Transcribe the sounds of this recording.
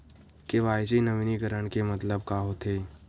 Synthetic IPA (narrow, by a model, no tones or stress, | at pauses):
keʋaːjɪd͡ʒinɐʋinikəɾəɳ̃kemɐt̪ləb̚kaɦot̪ʰeː